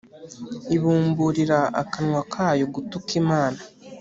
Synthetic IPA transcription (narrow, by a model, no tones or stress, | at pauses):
iβuːmbuɾiɾaa̰kanŋwakʰaːjoɡutukimaːna